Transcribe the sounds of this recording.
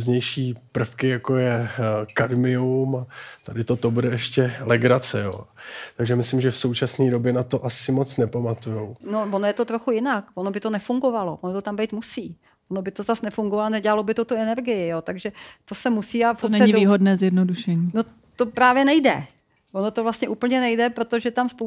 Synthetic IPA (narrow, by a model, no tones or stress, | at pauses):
zɲɛjʃiːpr̩fkɪjakojɛkadmɪumat̪adɪt̪o̞t̪o̞budɛɛʃcɛlɛɡɾat͡sɛjo̰ːt̪aɡʒɛmɪslɪmʒɛfso̞wt͡ʃasniːdo̞bjɛnat̪o̞ʔasɪmo̞t͡snɛpamat̪ujowno̞vonojɛt̪o̞t̪ɾoxujɪnakvonobɪt̪o̞nɛfuŋɡo̞valo̞ʔonot̪ot̪ambɛjt̪musiː | ono̞bɪt̪ozasnɛfuŋɡovalonɛɟɛlalo̞bɪt̪ot̪uɛnɛɾɡɪjɪjoːt̪aɡʒɛt̪o̞sɛmusiːafonɛɲɪdviːɦodnɛːzjɛdnoduʃɛɲiːno | t̪o̞pɾaːvjɛnɛjdɛ̰ | vonot̪ovlastɲɛʔuːpl̩ɲɛnɛjdɛpɾo̞t̪o̞ʒɛt̪amspo